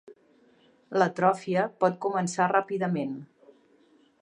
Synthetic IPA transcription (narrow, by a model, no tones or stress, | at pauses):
lət̪ɾɔfiəpɔt̪̚kumənsarapiðəmen